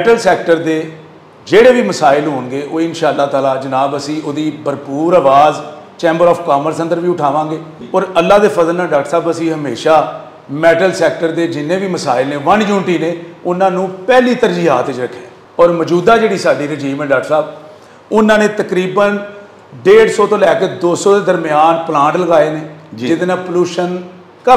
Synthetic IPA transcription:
ɛːʈəlsɛːkʈəɾd̪eː | d͡ʒeːɽeːʋiːməsaːɪlɦoːnɡeːʔoːɪnʃaːəlːaːt̪aːlaːd͡ʒənaːbəsĩːʔoːd̪iːbəɾpuːɾaːʋaːz | t͡ʃɛ̃ːmbəɾɔːfkaːməɾsə̃nd̪əɾʋiːʊʈʰaːʋãːɡeː | ɔːɾəlːaːd̪eːpʰəzəlnaːɖaːk̚ʈsaːbəsĩːɦəmeːʃaː | mɛːʈəlsɛːk̚ʈəɾd̪eːd͡ʒɪnːẽːʋiːməsaːɪlneːʋəɳd͡ʒuːɳʈiːneːʊnãːnũːpɛːliːt̪əɾd͡ʒiːɦaːt̪ɪt͡ʃɾəkʰːe | ɔːɾməd͡ʒuːd̪aːd͡ʒeːɽiːsaːɖiːɾəd͡ʒiːmə̃ɖaːkʈsaːb | ʊnãːnẽːt̪əkɾiːbən | ɖeːɖsɔːt̪õːlɛːkeːd̪oːsɔːd̪eːd̪əɾmɪjaːnplãːɳʈləɡaːeːneːd͡ʒd͡ʒɪd̪enãːpluːʃən | kə

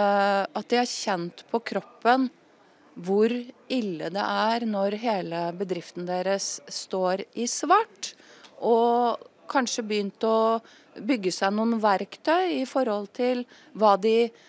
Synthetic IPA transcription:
ɑt̪̚d̪ɪhɑɾçɛnt̪pʰɔkʰɾɔpːən | ʋʊɾɪlːəd̪ɛ̰ʔæɾnɔɾɦeːləbəd̪ɾɪft̪nəd̪eːɾəsːt̪oːɾɪsʋæʈʔɔkʰɑnʂəbəjʏnt̪ɔ | bʏɡːəsæɪnuːənʋæɾkt̪ʰœʏɪfɔɾhɔlt̪ʰɪl | ʋɑːd̪ɪ

